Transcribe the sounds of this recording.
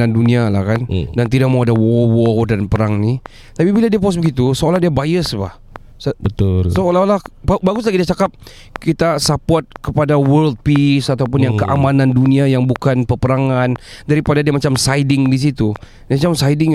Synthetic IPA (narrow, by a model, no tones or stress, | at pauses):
anduniala̰hkandant̪idak̚mawadawɔwɔdanpəɾaŋni | t̪apibiladiapɔs̬bəɡit̪usəolahdiabajəsba̰h | səbət̪usoolalahbbaɡʊs̬laɡidiat͡ʃakap̚ | kit̪asapɔrt̪̚kəpadawərld̚pisat̪aup̬ʊnjaŋkəʔamananduniajaŋbukanpəpəɾaŋandaɾipadadiamat͡ʃamsajdɪŋdis̬it̪u | dmat͡ʃamsajdɪŋ